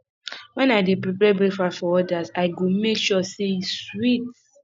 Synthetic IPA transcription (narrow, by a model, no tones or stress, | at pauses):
wɛ̃naɪdepɾipɛbɹefafɔɔdasaɪɡomekʃɔseiswit